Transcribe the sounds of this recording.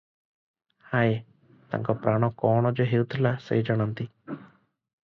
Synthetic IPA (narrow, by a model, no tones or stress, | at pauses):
hae | t̪a̰ŋkɔpɾaːɽ̃ɔ̃kɔːɽ̃ɔd͡ʒoɦewt̪ʰlasḛd͡ʒaɽ̃ənt̪i